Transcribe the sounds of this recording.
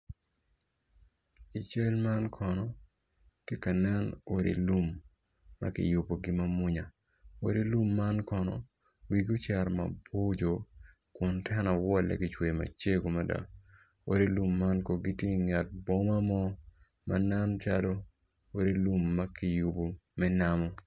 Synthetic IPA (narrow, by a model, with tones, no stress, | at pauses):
i˨t͡ʃe˦lma˦nkʰɔ˨nɔ˨ | ti˦ka˨nɛ˦no˨ɾḭ˨lu˦mː | a̰˦kɪ̰˨ju˨bo˨ɡɪ˦mɐ˦mʊ˦ɲa˨ | o̰˨ɾi˦lu˦mːa˦nkɔ˨nɔ̰˨ | wi˨ɡo˦t͡ʃɛ˨ɾma̰˨bo˦d͡ʒo˨ | kʊ˨ntʰɛ˦nɔ˨wɔ˦lɛ̰˨kɪt͡ʃwe˨ma̰˨t͡ʃe˦ɡo˨ma˦da̰˨ | o̰˨ɾi˦lu˦mːa˦nko˨ɡɪ˦tje˦ŋa˨t̚bo˦ma˦mɔ˦ | ma̰na˦nt͡ʃa˦do˦ | o˦ɾi˦lu˦mːa˦kɪ˨ju˨bo˨mɛ˦na˦mɔ˦